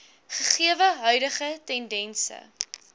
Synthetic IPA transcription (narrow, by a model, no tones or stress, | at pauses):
χəχiəvəɦœɥdəχətɛndɛnsə̰